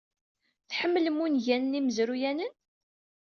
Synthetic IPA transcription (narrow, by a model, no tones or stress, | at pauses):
θħəmːləmːunʝænəniməzɾujænən